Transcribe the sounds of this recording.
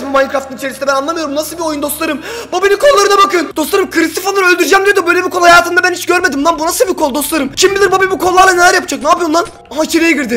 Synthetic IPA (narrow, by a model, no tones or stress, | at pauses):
mumaj̪ʲikɾaft̪ʰɯnit͡ʃʰeɾisinɛbænanˠamɯjo̞ɾumnasɯlˠbio̞jund̪o̞st̪lˠaɾɯmbobinikʰo̞lˠːaɾɯnabakɯnd̪o̞sˠaɾɯmkʰɯɾist̪ifanˠaɾø̞lʲd̪yɾyd͡ʒɛmd̪ʲijo̞d̪ubø̞jlʲebiɾkʰo̞lˠuhajaːt̪ʰɯmd̪abænhit͡ʃɟøɾmed̪imd̪ˠanbunasɯlˠbikʰo̞lˠd̪o̞st̪ˠaɾɯmt͡ʃʰimbilʲiɾbobibukʰolˠlːˠaɾlˠane̞lʲæɾjap̚d͡ʒaknaːpijond̪an | at͡ʃʰeɾejeɟiɾd̪ɪ